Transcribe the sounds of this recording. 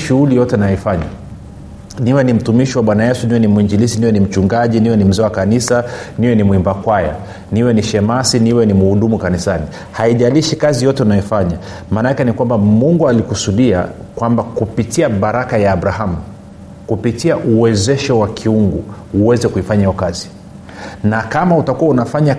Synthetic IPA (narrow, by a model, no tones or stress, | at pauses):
ʃuhulijɔtɛnajɔifaɲa̰ | niwɛnim̩tumiʃiwaɓwanajɛsuniwɛnimuiɲd͡ʒilisiniwɛnim̩t͡ʃuŋɡaʄiniwɛnim̩zɛwakanisaniwɛnimwimbakwaja̰ | niwɛniʃɛmasiniwɛnimuhuɗumukanisani | haiʄaliʃikazijɔtɛunajɔfaɲa | maːnaakɛnikwambamuŋɡualikusuɗia̰ | kwambakupitiaɓaɾakajaːɓɾaɦamu | kupitiaʔuwɛzɛʃɔwakʰiuŋɡuː | wɛzɛkuifaɲajiɔkazi | nakamautakuwaunafaɲa